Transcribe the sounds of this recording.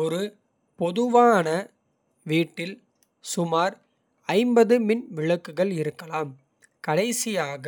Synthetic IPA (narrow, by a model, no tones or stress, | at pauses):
ɔɾɯ | pɔðɯʋaːnɐ | ʋiːʈːɪl | sʊmaːɾ | ɐɪmbɐðɯmɪnʋɪɻɐkːɯɣɐɭɪɾɯkːɐlaːm | kɐɽɐɪsɪjaːɣɐ